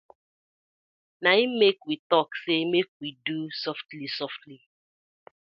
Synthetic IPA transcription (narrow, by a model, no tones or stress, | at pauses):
naimmekwitɔksemek̚widusɔftlisɔftli